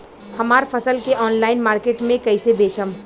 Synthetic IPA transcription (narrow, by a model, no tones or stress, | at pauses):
hɐmaːɾfɐsəlkeʔɔːnlaːɪnmaːɾkeːʈmẽkɐisebeːt͡ʃəm